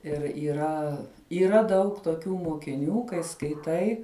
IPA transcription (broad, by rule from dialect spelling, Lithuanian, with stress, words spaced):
ɪr iːˈrɐ iːˈrɐ ˈdɐʊk toːˈkʲuː moːkʲɪˈnʲuː kɐɪ skɐɪˈtɐɪ